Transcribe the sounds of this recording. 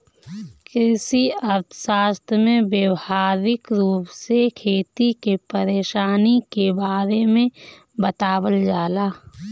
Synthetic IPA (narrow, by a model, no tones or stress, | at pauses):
kɪsiəɾt̪ʰsaːst̪ʰmẽbjəwhaːɾɪkɾuːpsekʰeːt̪ikepəɾeːʃaːnikebaːɾemẽ | bət̪aːwəld͡ʒaːlaː